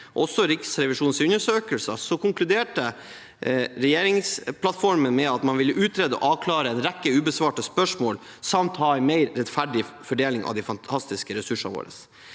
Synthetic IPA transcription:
ɔsːɔɾɪksɾɛʋɪʂuːnsʉɲːəʂøːkəlsəsɔkʊŋklʉd̪eːʈə | ɾɛjeːɾɪŋspʰlɑt̪fɔɾmənmɛɑt̪mɑnʋɪlːəʔʉːt̪ɾeːd̪əɔ̰ʔɑːʋkʰlɑːɾəɛnɾɛkːəʉːbəsʋɑːʈəspœʂmoːl | sɑmt̪hɑːæɪmeɪɾɾɛt̪fæɖɪfɔɖeːlɪŋɑ̰ʋd̪ɛɪfɑnt̪ʰɑst̪ɪskəɾɛsʉʂɑʋo̰ːɾə̰s

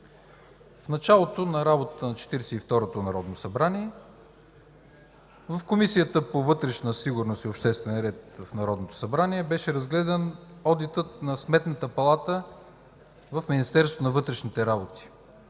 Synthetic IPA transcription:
fnɐt͡ʃalˠot̪onɐɾabot̪t̪ənɐt͡ʃɛ̥t̪iɾɛsɛift̪ɔɾot̪onɐɾɔd̪nosɐbɾaniɛ | vɐfkomisijət̪əpovɤt̪ɾɛʃnəsiɡʊɾnost̪iopʃt̪ɛst̪vɛnɾɛt̪vəfnɐɾɔd̪not̪o̥sɐbɾaniɛbɛʃɛɾɐzɡlɛd̪ɐnɔd̪it̪ət̪̚nɐsmɛt̪nət̪əpɐlˠat̪ə | vɐfminist̪ɛɾsvo̥t̪onɐvɤt̪ɾɛʃnit̪ɛɾabot̪i̥

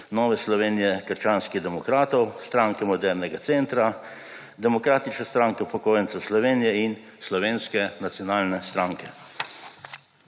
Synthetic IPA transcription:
nɔːʋɛslɔʋeːnijɛkəɾt͡ʃaːnskiɣd̪ɛmɔkɾaːt̪ɔwst̪ɾaːŋkɛmɔd̪ɛɾnɛɡat̪sent̪ɾa | d̪ɛmɔkɾaːt̪it͡ʃnɛst̪ɾaːŋkɛwpɔkoːjɛnt̪sɛwslɔʋeːnijɛin | slɔʋeːnskɛnat̪sjɔnaːlnɛst̪ɾaːŋkɛ

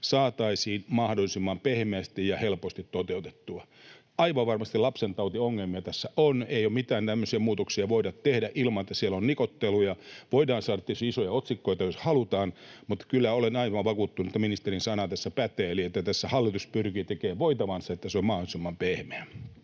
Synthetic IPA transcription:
sɑːt̪ɑisiːnmɑhdolisimːɑmpehmeæst̪ijjɑhelpost̪it̪t̪ot̪eut̪e̥t̪ːuɑ | ɑiʋɑʋʋɑrmɑst̪ilɑpsent̪ɑut̪ioŋːelmiɑt̪æsːæʔoneijomit̪æːnt̪æmːøsiæmuːt̪oksiɑʋoidɑt̪t̪ehdæʔilmɑnet̪ːæsielonnikot̪ːelujɑʋoidɑːnsɑːdɑt̪ːesiisojɑot̪sikːoit̪ɑjoshɑlut̪ɑːnmut̪ːkylːæolenɑiʋɑʋɑkuːt̪ːunuet̪ːæminist̪erinsɑnɑt̪æsːæpæt̪eːliet̪ːæt̪æsːæhɑlːit̪uspyrkiːt̪ekeːʋʋoit̪ɑʋɑnsɑet̪ːæseommɑholisimːɑmpehmeæ

